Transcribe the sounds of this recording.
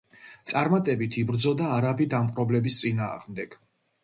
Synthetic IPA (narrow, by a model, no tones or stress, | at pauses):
t̪sʼaɾmat̪ʼɛbit̪ʰibɾd̪zɔd̪aːɾabid̪amqʼɾɔblɛbist̪sʼinaːʁmd̪ɛɡ̥